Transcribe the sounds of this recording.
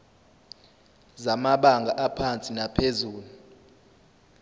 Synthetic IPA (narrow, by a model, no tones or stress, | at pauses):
zamaɓaŋɡʱaʔapʰant͡sʼinapʰezuːlu